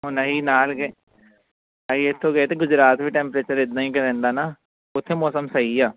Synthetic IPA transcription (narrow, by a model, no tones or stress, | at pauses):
ɦʊnaɦiːnaːlɡ | aiɪt̪ʰːõːɡəeːt̪eːɡʊd͡ʒɾaːt̪ʋiːʈɛ̃ːmpɾeːt͡ʃəɾɪd̪nãːĩːkəɾɛ̃ːnd̪aːnaː | ʊt̪ʰːeːmɔːsəmsəiːaː